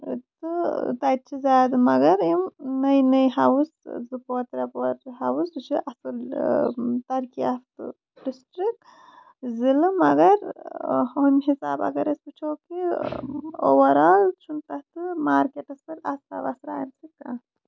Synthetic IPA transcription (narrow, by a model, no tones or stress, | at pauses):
t̪ɨt̪at̪̚t͡ʃʰizaːd̪ɨmɐɡɐɾimnɐjnɐjɦawuszɨpoːt̪ɾɐpɐɾɦawust͡ʃiʔasɨl | t̪ɐɾkiaft̪ɨ̰ | ɖisʈɾik | zilɨmɐɡɐɾhoːmɦisaːba̰ɡɐɾɐspɨt͡ʃʰoːki | o̰wɐɾaːlt͡ʃʰumt̪ɐt̪ɨmaːɾkeʈɐspɐla̰sa̰ba̰sɾa̰ːjɐmt͡sika̰